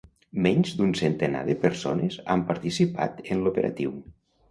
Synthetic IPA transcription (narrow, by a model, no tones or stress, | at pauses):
mɛɲzd̪unsənt̪ena̰ðəpəɾsonəzampaɾt̪isipa̰t̪ənlupəɾʔa̰t̪iw